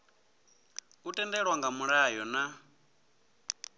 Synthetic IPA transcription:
utʼɛndɛɺwaŋɡamuɺajɔna

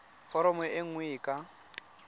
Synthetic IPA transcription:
fɔɾɔmɔeŋ̩wɪːkʼa

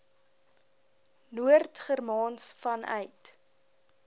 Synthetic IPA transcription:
nuərtχərmɑːnsfɐnʔœ̰ɥt

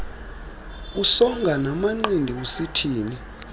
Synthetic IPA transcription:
usɔŋɡʱanamaŋ͡ǀindʱiusitʰiːni

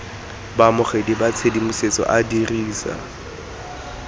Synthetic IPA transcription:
bamʊχedibat͡sʰedimʊset͡sʼɔ̰ʔadiriːsa̰

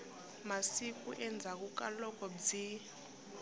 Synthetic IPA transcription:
masik̬ʼṵʔɛnd͡zʱak̬ʼuk̬ʼalɔk̬ʰʼɔd͡zi

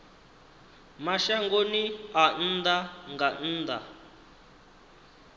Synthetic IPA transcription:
maʃaŋɡonian̩ːd̪aŋɡan̩ːd̪a

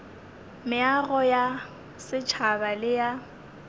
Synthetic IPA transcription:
mɪaɣɔja | sɪt͡ʃʰabalɪja

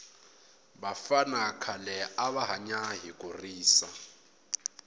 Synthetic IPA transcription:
bafanakʰalɛaβaɦaɲaɦikʼuriːsa̰

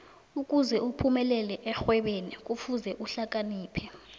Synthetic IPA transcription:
uk̬ʼuzɛupʰumɛlɛlɛʔɛxwɛɓenik̬ʼufuzɛʔuɬak̬ʼaniːpʰɛ

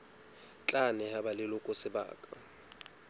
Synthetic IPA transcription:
t͡ɬʼanɛhabalɪlʊkʼʊsɪba̰ːkʼa

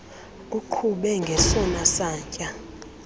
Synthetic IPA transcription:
k̬ʼukʰuɓɛŋɡʱɛsɔnasaːɲcʼa

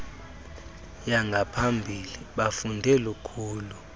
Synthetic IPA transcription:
jaŋɡʱapʰambʱiliɓafundʱɛlukʰuːlu

